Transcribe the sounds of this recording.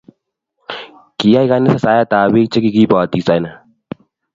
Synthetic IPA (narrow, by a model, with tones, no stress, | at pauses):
ki˨ja˦jka˦nɪ˦sa˨saː˦ja˦t̪aː˨bi˦k̚t͡ʃe˦ki˦ki˦baː˨t̪i˨sa˨jna˨